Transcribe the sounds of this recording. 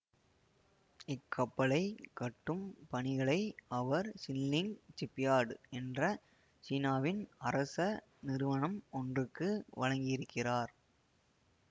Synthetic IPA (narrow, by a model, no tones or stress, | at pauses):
ɪkʰːɐpːɐɭɐɪkɐʈːɯmpɐɳɪɣɐɭɐɪɐʋɐɾsɪnlɪŋɡt͡ʃɪpːɪjaːɖɛndrɐ | t͡ʃiːnaːʋɪnɐɾɐsɐ | nɪɾɯʋɐɳɐmɔndrɯkːɯʋɐɻɐŋɡɪjɪɾɯkːɪraːɾ